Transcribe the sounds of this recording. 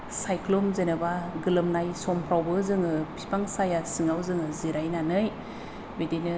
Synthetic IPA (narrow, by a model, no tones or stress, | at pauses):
sajkʰlɔmzenabaɡɯlɯmnajsɔmpʰɾawbɯzɯŋɯpʰi̥paŋsajasɯŋawzɯŋɯziɾajnanɯj | bedinɯ